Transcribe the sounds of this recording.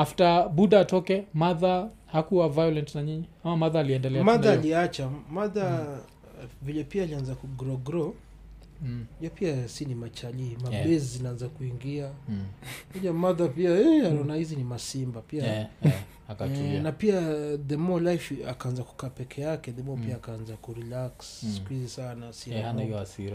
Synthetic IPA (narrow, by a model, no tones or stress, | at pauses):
aftaɓuɗaːtɔkɛmaða | hakuavajɔlɛntnaɲiɲiamamaðaːliɛndɛlɛamaðaːliat͡ʃamaða | vilɛpiaːlianzakuɡɾɔɡɾɔ | ʄapiasinimat͡ʃalimaɓɛzizinaanzakuiŋɡia | kɔʄamaðapiaɛanaɔnahizinimasimbapia | kanapiaðɛmɔlajfakaanzaku̥kaːpɛkʰɛjakɛðɛmɔpiaːkaanzakuɾilakssi̥kuizisanasiaanaijɔasiɾa